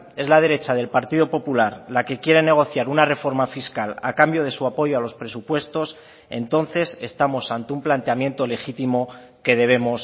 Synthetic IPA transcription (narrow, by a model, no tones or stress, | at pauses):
e̞zlað̞e̞ɾe̞t͡ʃað̞e̞lpaɾt̪iðo̞po̞pulaɾlake̞kje̞ɾe̞ne̞ɣ̞o̞θjaɾunare̞fo̞ɾmafiskala̰kambjo̞ð̞e̞suapo̞ʝoalo̞spɾe̞supwe̞st̪o̞s | e̞nt̪o̞nθe̞se̞st̪amo̞sant̪eumplant̪eamje̞nt̪o̞le̞xit̪imo̞ | ke̞ðe̞β̞e̞mo̞s